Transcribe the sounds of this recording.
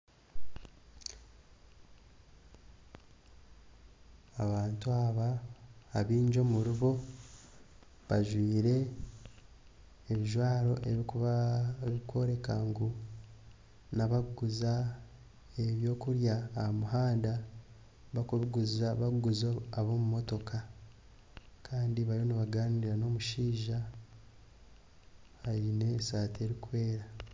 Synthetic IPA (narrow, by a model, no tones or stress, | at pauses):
aβaːntuaβaː | βiːɲd͡ʒomuɾuβo̞ | βaʒwiːɾe̞ | βiʒwaːɾo̞ʔeβi | βikʰo̞ɾe̞kaŋɡu | naβaɡuza | e̞βjo̞ːkuɾjaːhamuɦaːnda | βakuβiɡuzaβaɡuzoaβoːmumo̞to̞kʰa | kʰaːndiβajoniβaɡaːniɾano̞muʃiːʒa | haɾine̞saːte̞ɾikuwe̞ːɾa